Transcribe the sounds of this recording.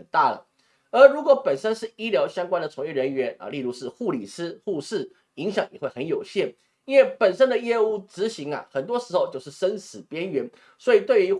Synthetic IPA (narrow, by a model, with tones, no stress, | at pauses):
nt̪a˥˩lə̰˩ | ə˞˧˥ɻu˧˥kwɔ˧˥pə˨˩nʂə˥nʂɻ̩˥˩i˥ljɑ˧˥ʊɕjɑ˥ŋkwa˥nd̪ə˨t͡sʰʊ˧˥ŋjɛ˥˩ɻə˧˥nɥɛ˧˥nɐ̰˨li˥˧lu˥˧ʂɻ̩˥˧xu˥˩li˨˩sɹ̩˥xu˥˧ʂɻ̩˥˩ | i˧˥ŋɕjɑ˨˧˥ŋjɛ̰˨˩xwe˥˩ɪxə˧˦njo˨˩ʊɕjɛ˥˩n | i˥nwe˥˩ɪpə˨˩nʂə˥nd̪ə˨jɛ˥u˥˩ʈ͡ʂɻ̩˧˥ɕi˧˥ŋɐ̰˨xə˨˩nt̪wɔ˥ʂɻ̩˧˥xo˧ʊt͡ɕjo˥˧ʊʂɻ̩˥˩ʂə˥nsɹ̩˨˩pjɛ˥nɥɛ˧˥n | swɔ˧˥i˨˩t̪we˥˩ɪy˧˥